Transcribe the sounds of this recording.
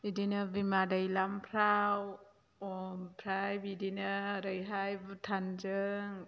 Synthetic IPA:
idinabimadajlampʰɾaw | ɔmpʰɾajbidinaɾɯjɦajbtʰand͡ʒɯŋ

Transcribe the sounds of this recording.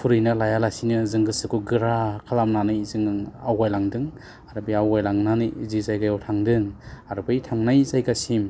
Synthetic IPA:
pʰuɾɯjnɯlajalasinɯzɯŋɡɯsɯkuɡɯɾakʰalamnanɯjzɯŋawajlaŋdɯŋ | aɾɯbijawajlaŋnanizizajɡajawtʰaŋdɯŋaɾbɯjtʰaŋnajzajɡasim

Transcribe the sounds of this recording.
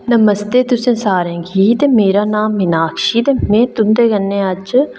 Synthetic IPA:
nəməst̪eːt̪ʊsẽːsaːɾẽːɡiːt̪eːmeːɾaːnaːmːɪnaːkʰʃiːt̪eːmɛ̃ːt̪ʊmd̪eːɡənːẽːəd͡ʒ

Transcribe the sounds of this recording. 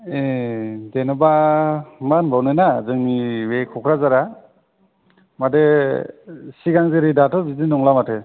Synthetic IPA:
edenɔba | manbawnɯjnazɯŋniwekʰɔkʰɾazaɾa | made | siɡaŋzeɾidatʰɔbidinɔŋlamatʰe

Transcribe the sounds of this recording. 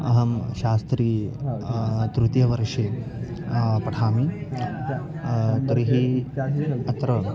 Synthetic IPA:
ɐ̰ɦɐmʃaːst̪ɾiː | t̪ɾut̪jɐʋɐɾʂeː | pɐʈʰaːmi | t̪ɾiɦi | ɐt̪ɾɐ

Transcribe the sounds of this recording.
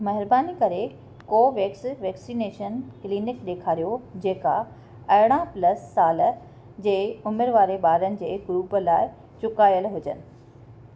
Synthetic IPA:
mɐɦɪɾbaːnikɐɾe | koːʋɛːksʋɛːksineːʃənkɪliːnɪkɗeːkʰaːɾijod͡ʑeːka̰ | ɐɦɪɽ̃ãplɐsːaːl | d͡ʑeːʊmeɾʋaːɾeɓaːɾənɪ̆d͡ʑeːɡɾuːpə̆laːɪ | t͡ɕʊkaːjəlɦʊd͡ʑə̰nɪ̆

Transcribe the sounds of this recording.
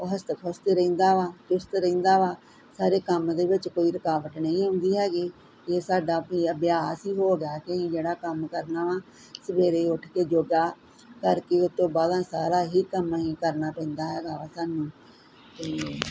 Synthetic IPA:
oːɦəst̪kʰost̪eɾəĩːnd̪aːʋaːd͡ʒʊst̪ɾəĩːnd̪aːʋaː | saːɾeːkəmd̪eːbɪt͡ʃkoːiːɾəkaːʋət̪nəĩːɦʊ̃nd̪iːɦɛːɡiː | d͡ʒeːsaːɖaːpĩːəbjaːsɦiːɦoːɡɪjaːkeĩːd͡ʒeːɽaːkəmkəɾnaːʋãː | səbeːɾeːʊʈʰkeːd͡ʒoːɡaː | kəɾkeʊt̪ːõːbaːd̪ãːsaːɾaːɦiːkəmɦiːkəɾnaːpɛ̃ːnd̪aːɦɛːɡaːasaːnũː | t̪eː

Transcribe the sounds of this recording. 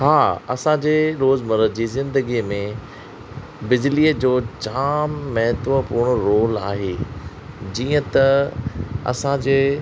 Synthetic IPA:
haːɐ̰sãd͡ʑeːɾoːzmɐɾəd͡ʑiːzɪ̃nd̪əɡimẽ | bɪd͡ʑliːəd͡ʑoːd͡ʑaːmːɐɦɪt̪ʋəpuːɾɽ̃ɾoːla̰ːɦeː | d͡ʑiːə̃t̪ɐ | ɐ̰sãd͡ʑeː

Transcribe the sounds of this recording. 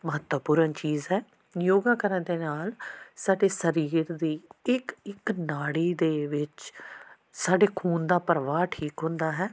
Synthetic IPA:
məɦət̪ʋəpuːɾənt͡ʃiːzɦɛː | joːɡaːkəɾənd̪eːnaːlsaːɖeːsəɾiːɾd̪iːɪkɪknaːɽiːd̪eːʋɪt͡ʃ | saːɖeːkʰuːnd̪aːpəɾəʋaːʈʰiːkɦʊ̃nd̪aːɦɛː

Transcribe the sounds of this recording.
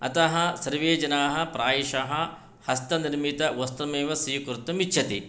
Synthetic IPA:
ɐt̪ɐɦɐsɐɾʋeːd͡ʒɐnaːɦɐ̆pɾaːjiʃaːɦɐ | hɐst̪ɐniɾmit̪ɐʋɐst̪ɐmeːʋɐsiːkɾut̪ːɐmit͡ʃʰɐt̪i

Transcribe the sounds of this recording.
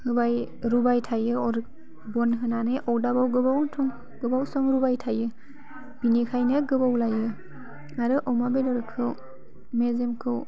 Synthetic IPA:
hɯbaj | ɾubajtʰajɯɔɾ | bɔnɦɯnanɯʔɔwdabawɡɯbawntʰɔŋ | ɡ̥ɯbawsɔŋɾubajtʰajɯ | binikʰajnɯɡɯbawlajɯ | aɾɯʔɔwmabedɔɾɯkʰːɯw | mezemkʰɯw

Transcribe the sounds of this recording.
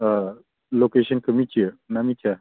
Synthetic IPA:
lokeɕənkəmit͡ʃiənamit͡ʃa

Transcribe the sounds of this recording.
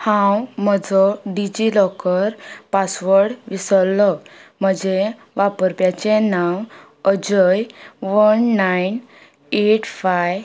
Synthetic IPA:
hãwm̤əd͡zɔɖid͡ʑilɔkəɾpasʋəɾɽʋisəlːɔm̤əd͡ʑe | ʋapəɾpjat͡ɕenaw | əd͡ʑəjʋənːajn | eʈfaj

